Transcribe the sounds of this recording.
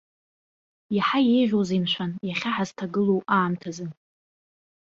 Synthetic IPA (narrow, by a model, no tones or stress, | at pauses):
jaħajejʒʲᶣʷozinʃʷanjaχʲaħaztʰaɡɨlowaːmtʰazɨn